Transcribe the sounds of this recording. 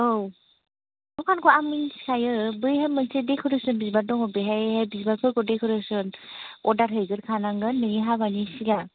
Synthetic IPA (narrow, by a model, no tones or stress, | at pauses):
ow | dɔkʰankʰɔamɯnsi̥kʰajɯbɯjɦamːɯnsedekʰɯɾɯsɯnbizbadɔŋɔbɯɦajhabizbakʰɯɾkɔdekʰɯɾɯsɯnɔdaɾɦɯjɡɯɾkʰanaŋɡɯnmeniɦaβanisiɡa